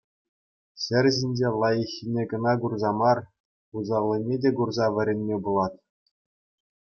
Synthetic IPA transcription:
ɕɘ̆rʲʑinʲd͡ʑelˠɑjɘ̆xʲːinʲeɡɤ̆nɑɡurzɑmɑr | uzɑlʲˠːɤ̆nʲedʲeɡurzɑʋʲɘ̆ɾʲenʲmʲebulˠɑt̪̚

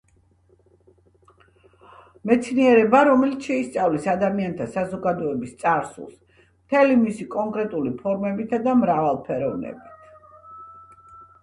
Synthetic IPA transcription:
mɛt̪sʰniɛɾɛbaɾɔmɛlit̪sʃɛist̪sʼavlisad̪amiant̪ʰasazɔɡad̪ɔɛbist̪sʼaɾsṵlˠs | mt̪ʰɛlimisikʼɔŋkʼɾɛt̪ʼulipʰɔɾmɛbit̪ʰad̪amɾavalˠpʰɛɾɔvnɛ̰bit̪ʰ

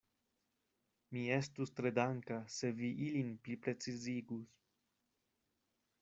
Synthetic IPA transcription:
miest̪ust̪ɾed̪aŋkaseviʔilinplipɾet͡siziɡus

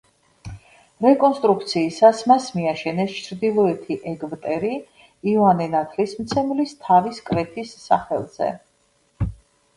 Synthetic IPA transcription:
ɾɛkʼɔnst̪ʼɾuk̚ʰt̪sʰiːsasmasmiaʃɛnɛst͡ʃʰɾd̪ilˠɔɛt̪ʰiʔɛɡbt̪ʼɛɾi | ivanɛnat̪ʰlismt̪sʰɛmlist̪ʰaviskʼɾɛpʰisːa̰χɛ̰lˠz̥ɛ̰

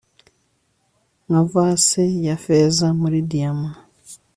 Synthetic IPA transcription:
ŋavasejafezamuɾidiama

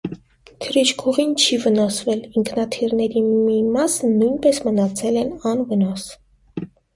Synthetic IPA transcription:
t̪ʰəɾit͡ʃkʰuʁint͡ʃʰivənɑsvɛliŋkʰnɑt̪ʰirnɛɾimimɑsənujnpɛsmənɑt͡sʰɛlɛnɑnvənɑs

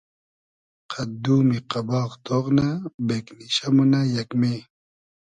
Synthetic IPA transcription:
qʰad̪uːmiqabɑːqt̪oʁnabekniɕamunajɐkme

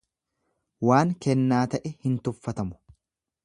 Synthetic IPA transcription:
waːŋkɛnːaːt̪ɐʔɛhɪnt̪ʊfːɐt̪ɐmʊ̥

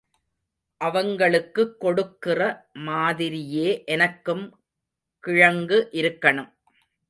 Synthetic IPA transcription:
ʔɐʋɐŋɡɐɭɯkːɯkːɔɽɯkːɪrɐmaːðɪɾɪjeːʔɛnɐkːɯm | kɪɻɐŋɡɯʔɪɾɯkːɐɳɯm

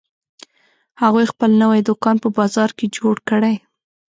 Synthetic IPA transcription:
haɣujxpəlnəwajd̪ʊkɑnpəbɑzɑɾked͡ʒoɽkəɽaj

